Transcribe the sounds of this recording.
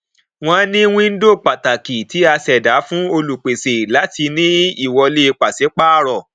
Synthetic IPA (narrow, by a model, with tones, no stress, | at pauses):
w̃ɔ̃˦nĩ˦wĩ˦n̩˦do˦˨k͡pa˨ta˨ki˨ti˨˦a˧sɛ˨da˨˦fũ˦o˧lu˨k͡pe˨se˨la˨˦ti˧nĩ˦i˦˨wɔ˧le˧˦˧k͡pa˨se˨˦k͡pa˦˨ɾɔ˨